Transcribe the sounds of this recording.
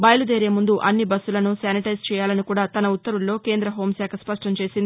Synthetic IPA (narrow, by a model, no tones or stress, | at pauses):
bɐjɐlud̪eːɾeːmund̪uʔɐnːibɐsːulɐnusaːniʈɐjst͡ʃɛːjaːlɐnikuːɽaːt̪ɐnɐutt̪ːɐɾulːo̞ːke̞ːnd̪ɾɐɦo̞ːmsaːkʰɐspɐʂʈɐmt͡ʃe̞ːsind̪i